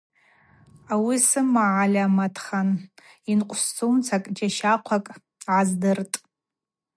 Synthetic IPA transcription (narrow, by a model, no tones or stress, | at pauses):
awisɨmaʕalʲamatʰχan | inqʷʼst͡sʰʼuwnt͡sʰakʼd͡ʒaʃaqʷʰakʼ | ʕazdɨrtʼ